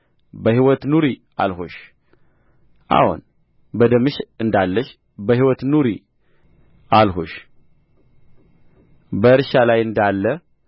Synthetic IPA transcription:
bəɦiwɔt̪nuɾi | a̰lho̰ʃ | ʔa̰hṵn | bəd̪əmɨʃɨnd̪alːəʃ | bəhiwɔt̪nuɾi | ʔalɦoʃ | bəɨɾʃalajɨnd̪alːə

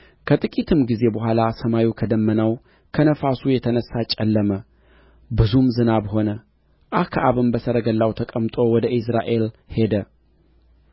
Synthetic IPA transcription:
kʰət̪ʼɨkʼit̪ʰɨmɡize̞bəhʷalasəmajukʰəd̪əmːənəw | kʰənəfasujɛt̪ʰənəsːat͡ʃʼɛlːəmə | bɨzumzɨnaβho̞nə | ʔahkʰaʔaβɨmbəsəɾəɡəlːawt̪ʰəkʼəmt̪ʼo̞wɔd̪əʔis̬ɾaʔe̞lhe̞d̪ə

